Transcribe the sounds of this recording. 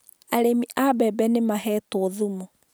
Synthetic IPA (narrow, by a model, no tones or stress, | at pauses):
aɾemiʔabɛbɛnemaɦɛtoðumu